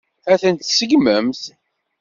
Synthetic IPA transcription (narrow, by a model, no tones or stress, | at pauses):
æθənt̪səɡməmθ